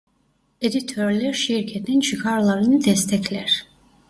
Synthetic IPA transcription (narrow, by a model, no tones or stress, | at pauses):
ɛd̪it̪ʰɔɾlɛɾʃiɾkʰɛt̪nɛnt͡ʃʰikʰaɾlˠaɾinid̪ɛst̪ʰɛkʰlɛɾ